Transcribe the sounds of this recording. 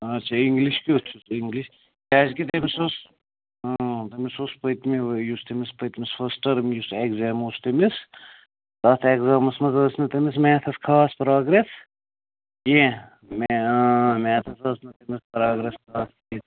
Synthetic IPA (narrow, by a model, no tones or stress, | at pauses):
ɐt͡ʃʰɐiŋɡliʃkiousiŋɡliʃ | kʲaːzkit̪emisos | t̪ɐmisospɐt̪miʋjust̪ɐmispɐjt̪misfɐsʈɐɾmjusekzaːmust̪ɐmis | t̪ɐt̪ʰekzaːmɐsmɐzɐːsnɐt̪ɐmis̬mɛːt̪ʰɐskʰaːspɾaːɡɾes | jẽ | memʲɛːt̪ʰɐsɐsnɐt̪ɐmispɾaːɡɾeskʰaːsit̪